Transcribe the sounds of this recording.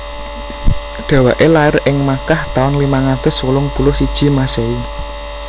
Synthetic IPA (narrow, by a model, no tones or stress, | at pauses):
ɖ̪̥ä̤waʔelaɪrɪŋmakaht̪aʊnlimaŋad̪̥ə̤swulʊŋpulʊhsid̥ʒ̥i̤masei